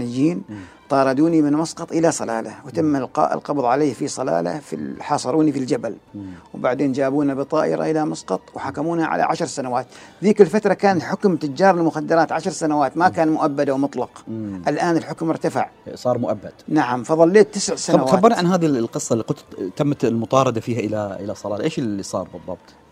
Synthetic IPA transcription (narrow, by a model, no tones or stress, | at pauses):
ɪd͡ʒiːnt̪ˤɑːɾˤɑd̪uːnimɪnmɑsqɑt̪ˤʔɪlasˤɑla̰ːlawɪt̪amːalqɑ̰ːʔɪ̰lqɑbðˤʕaleːhfisˤɑla̰ːla̰fḭħɑːsˤɑɾˤuːnifild͡ʒabalwbaʕd̪eːnd͡ʒaːbuːnabɪt̪ˤɑːʔɪ̰ɾa̰ʔɪlamɑsqɑt̪ˤwħakːamuːnhaʕa̰la̰ʕa̰ʃɾˤsanawaːt̪ðiːkɪlfat̪ɾˤɑkaːnɪlħʊkmt̪ʊd͡ʒːɑːɾˤɪlmʊxad̪ːɑɾˤɑːt̪ʕaʃɾˤsanawaːt̪makaːnmʊʔabːad̪awmʊt̪ˤlɑqːʔalʔaːnɪlħʊkmɪɾt̪afa̰ʕsˤɑːɾˤmʊʔabːad̪̥naʕamfɑðˤɑlːeːt̪ːɪsʕsanawxaaːbɑɾˤniʕanɦaːðilqɨsˤːɑlːiqʊt̪t̪amːt̪lmʊt̪ˤɑːɾˤɑd̪afiːhaʔɪlaʔɪlasˤɑlɑːlʔeːʃɪisˤɑ̰ːɾˤbɨðˤːɑb̚t̪ˤ